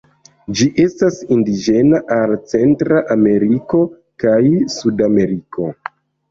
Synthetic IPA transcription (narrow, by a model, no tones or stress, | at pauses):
d͡ʒiʔe̞stasindid͡ʒe̞naʔalt͡se̞ntɾaʔame̞ɾiko̞ | kajsudame̞ɾikʰo̞